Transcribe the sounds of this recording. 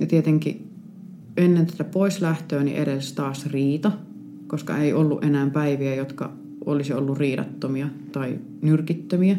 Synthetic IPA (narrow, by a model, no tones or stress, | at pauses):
jɑt̪iet̪eŋkḭ | enːent̪æt̪æpoislæht̪øːnḭʔḛɾest̪ɑːsriːt̪ɑ | koskɑ̰eiʔolːuʔenæːmpæiʋiæjot̪kɑ̰ | ʔo̰lisiolːurriːɾɑ̰t̪ːomiɑ | t̪ɑi | nyrkit̪ːømiæ